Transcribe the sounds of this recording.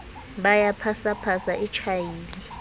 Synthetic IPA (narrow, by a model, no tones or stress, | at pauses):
ɓajapʰasapʰasaʔit͡ʃʰajiːli